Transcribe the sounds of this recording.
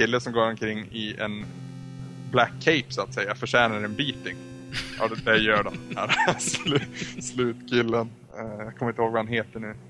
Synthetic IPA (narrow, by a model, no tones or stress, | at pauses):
ɪlːəsɔmɡoːɾɔmkʰɾɪŋːɪɛ̰n | blækʰːɛɪpsʊat̪sɛjːafœʂɛːnaɾɛnbiːt̪ɪŋ | ʔɑ̰ːd̪ɛjœːɖɔmæːɾslslʉ̟ːt̪kʰɪlːən | jaːkʰɔmɾɪnt̪əhoːɡvaanɦeːt̪əɳʉ̟ː